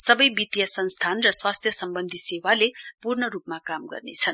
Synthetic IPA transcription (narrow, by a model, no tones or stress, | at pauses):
sʌbʌjbit̪jʌsʌnst̪ʰanrʌswast̪ʰjʌsʌmbʌnd̪ʱisewalepurnʌɾupmakamɡʌ̰rnḛt͡sʰʌn